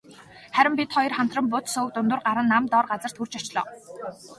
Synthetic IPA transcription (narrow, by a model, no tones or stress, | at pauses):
χæɾʲɪ̆mpit̪χɔjɞ̆rχam̥t̪rə̆mpʊt̪sʊkt̪ʊnt̪ʊ̆rɢaɾə̆nːamt̪ɔrɢat͡sə̆r̥t̪xurt͡ɕat͡ɕɮɔ̰ː